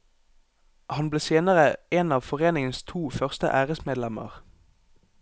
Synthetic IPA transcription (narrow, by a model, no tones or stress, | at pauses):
ʔhɑnbleːseːnəʁəeːnɑːʋfɔʁeːnɪŋənst̪ʰuːfœʁst̪ə̰ʔæːʁəsmeːd̪lɛmə̰ʁ